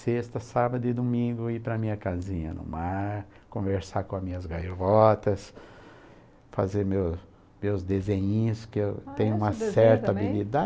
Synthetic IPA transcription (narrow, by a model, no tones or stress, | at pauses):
sest̪ɐsabɐd̪ʊɪd̪omĩɡʊipɾɐmĩɲɐkazĩɲɐ̰nʊ̰maɾ | kõveɾsakõɐmĩɲɐzɡalɔt̪ɐs | fa̰zeɾmews | mewzd̪ezẽɲĩskɪewt̪ẽj̃ʊ̃ũmɐsɛɾt̪ɐabilid̪a